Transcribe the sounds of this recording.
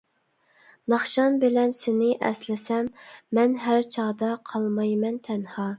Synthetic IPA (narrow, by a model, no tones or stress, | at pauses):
nɑχʃɑnbɪlɛnsɪnɪʔɛ̰slɪsɛmːɛnɦæɾt͡ʃʰɑʁd̪ɑqʰɑlˠmɑjmɛnt̪ʰɛnhɑː